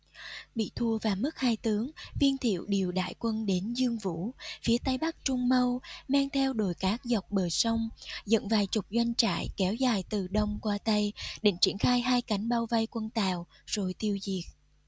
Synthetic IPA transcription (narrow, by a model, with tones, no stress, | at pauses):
ɓḭ˧˨t̪ʰu˧əvaː˨˩mɨ˦˥k̚haː˧jt̪ɨ˨˦əŋvi˧ənt̪ʰḭ˧˨əwɗi˨˩əwɗa̰ː˧˨jkwə˧nɗe˨˦nzɨ˧əŋvṵ˧˥fi˨˦ət̪a˧jɓa˦˥k̚t͡ɕʊ˧ŋ͡mmə˧wmaː˧ŋt̪ʰɛ˧wɗo˨˩jkaː˦˥k̚za˨˩wk͡p̚ɓəː˨˩jsə˧wŋ͡mzə̰˧˨nvaː˨˩jt͡ɕʊ˨˩k͡p̚zwa˧jŋ̟t͡ɕa̰ː˧˨jkɛ˨˦wzaː˨˩jt̪ɨ˨˩ɗə˧wŋ͡mkwaː˧t̪a˧jɗḛ˧˩nt͡ɕḭ˧˩ənxaː˧jɦaː˧jka˨˦jŋ̟ɓa˧wva˧jkwə˧nt̪aː˨w | z̥o˨˩jt̪i˧əwzi˨˩ək̚